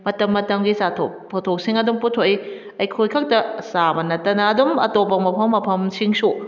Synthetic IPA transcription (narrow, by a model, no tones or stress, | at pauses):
mɐtɐmːɐtɐmɡisatʰok̚pʰotʰok̚siŋɐdumputʰoʔi | ɐjkʰojkʰɐk̚tɐsabɐnɐtːɐnɐːdumɐ̰topɐmɐpʰɐmːɐpʰɐmsiŋsu